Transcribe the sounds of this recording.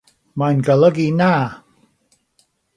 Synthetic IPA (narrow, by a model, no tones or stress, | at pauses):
majnɡəlˠəɡinaː